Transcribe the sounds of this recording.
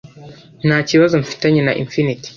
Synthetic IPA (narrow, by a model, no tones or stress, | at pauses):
nat͡ʃiwazɔm̩fi̥taɲinaʔḭnfiniti̥